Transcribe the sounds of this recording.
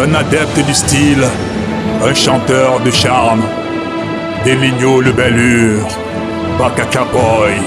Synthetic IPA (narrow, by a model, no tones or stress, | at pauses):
ɛ̃nad̪ɛp̚t̪əd̪yst̪il | ɛ̃ʃɑ̃t̪œʁd̪əʃaʁn | d̪eliɲoləbɛlyʁ | bakakapɔj